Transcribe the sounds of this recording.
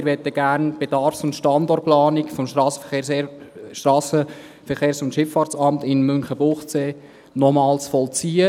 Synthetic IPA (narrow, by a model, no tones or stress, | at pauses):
ɾʋɛt̪əɡ̥æːɾnb̥ɛd̥ɑɾfsʊntʃtɑndɔrt̚plɑːnɪkfɔmʃsə | ʃtɾɑːsə | fɛɾχeːɾsʊntʃɪfːɑːɾt͡sɑmtɪnmʏŋχəb̥ʊχt͡seː | nɔmɑːlsfɔlt͡siːə